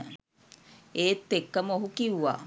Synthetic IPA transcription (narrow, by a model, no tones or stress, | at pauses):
et̪ːekːamohukiwa